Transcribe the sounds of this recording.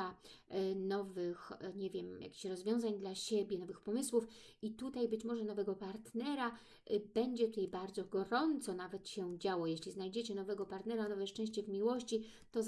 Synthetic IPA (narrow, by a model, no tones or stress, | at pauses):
a | nɔvɘxɲɛvʲjɛmja̰kʲi̥ɕɾɔzvʲjɔ̃w̃zaɲd̪laɕɛbʲjɛnɔvɘxpɔmɘswuf | it̪ut̪ajbɘt͡ɕmɔʐɛnɔvɛɡɔpaɾt̪nɛɾa | bɛɲd͡ʑɛt̪ut̪ajbaɾd̪zɔɡɔɾɔnt̪sɔnavɛt̪ɕɛd͡ʑawɔjeɕlʲiznajd͡ʑet͡ɕɛnɔvɛɡɔpaɾt̪nɛɾanɔvɛʂt͡ʂɛ̃ɕ̬t͡ɕɛvmʲiwɔɕt͡ɕi | t̪ɔz